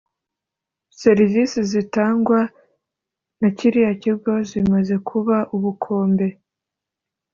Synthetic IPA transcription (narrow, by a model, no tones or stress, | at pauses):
se̞ɾivisizitaːŋɡwa | naciɾijaciɾɡo̞zimaze̞kʰuβaʔuβukʰo̞ːmbe̞